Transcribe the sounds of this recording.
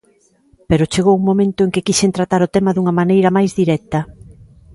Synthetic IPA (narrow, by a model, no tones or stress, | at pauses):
peɾʊt͡ʃeɣ̞owuŋmomẽnt̪ʊeŋkɪkiʃent̪ɾat̪aɾʊt̪ɛmɐðuŋɐmanejɾɐmajzðiɾɛt̪ɐ